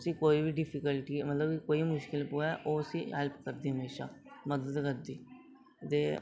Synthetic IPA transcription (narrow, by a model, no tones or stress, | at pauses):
sĩːkoːiːbiɖɪpʰɪkəlʈiːmət̪ləbkoːimʊʃkɪlpuːɛːʔoːsĩːɦɛlpkəɾd̪iːɦəmeːʃa̰ːməd̪əd̪kəɾd̪iː | t̪eː